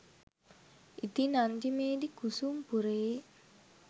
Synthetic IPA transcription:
it̪inaɲd͡ʒimeːd̪ikusumpuɾe

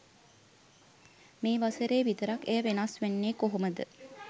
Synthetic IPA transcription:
meːʋasəɾeːʋit̪əɾakejəʋenasʋenːeːkoɦoməd̪ə

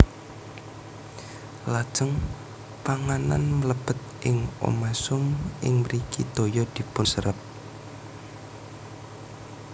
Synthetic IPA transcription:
lad̥ʒ̥əŋ | paŋana̰nmələb̥ət̪̚ʔɪŋʔo̰masʊmʔɪŋməɾikḭd̪̥o̤jɔd̪̥i̤pʊsəɾəp̚

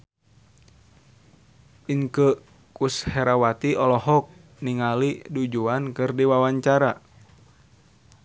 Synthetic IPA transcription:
ʔiŋkə | kushɛɾawat̪iɔlɔhɔk̚ | niŋalidud͡ʒuankɨrdiwawaɲt͡ʃaɾa

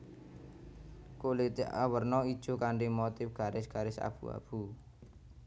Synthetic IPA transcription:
kolit̪iʔa̰wərnɔid̥ʒ̥o̤kaɳɖimot̪ɪfɡ̥a̤ɾɪsɡ̥a̤ɾɪsa̰b̥ṵa̰b̥u

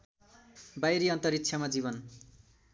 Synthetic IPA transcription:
bajɾiʌnt̪ʌɾit̪ːt͡ʃʰjamad͡ziβʌn

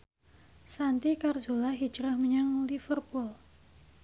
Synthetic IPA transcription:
sant̪ikarzolahɦi̥d͡ʒɾahməɲaŋlifərpʊl

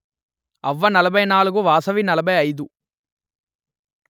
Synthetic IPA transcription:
ɐʋːɐnɐlɐbʱɐjnaːluɡuʋaːsɐʋinɐlɐbʱɐjɐjd̪u

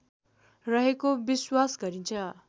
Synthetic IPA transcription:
rʌɦekobiswasɡʌɾint͡sʰʌ

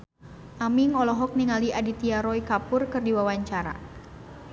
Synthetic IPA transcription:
ʔamiŋɔlɔɦɔk̚niŋaliʔadit̪iaɾɔikapʊrkɨrdiwawaɲt͡ʃaɾa̰

